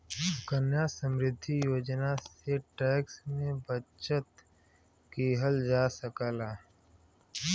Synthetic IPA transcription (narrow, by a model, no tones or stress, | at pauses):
kənjasəmɾɪd̪ʱːijoːd͡ʒnaseʈɛːksmẽbət͡ʃət̪ | kiɦəld͡ʒaːsəkaːlaː